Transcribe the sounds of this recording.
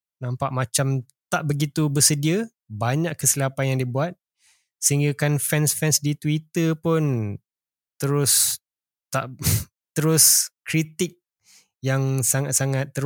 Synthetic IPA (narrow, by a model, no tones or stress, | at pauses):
nampaʔmat͡ʃam | t̪aʔbəɡit̪ubəsədiə | baɲaʔkəsilapanjaŋdiəbuat̪̚ | səɦiŋɡakanfɛnsfɛnsdit̪wit̪əpʊn | t̪əɾʊs | t̪aʔ | t̪əɾʊskɾit̪ɪk̚ | jaŋsaŋat̪̚saŋat̪ːəɾ